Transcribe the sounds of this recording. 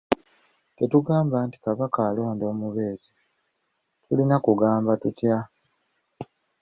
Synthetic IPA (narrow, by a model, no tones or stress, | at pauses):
te̞tuɡaːmbaːnti̥kaβakaːlo̞ːndo̞ːmuβe̞ːzi | tʰulinakuɡaːmbatutja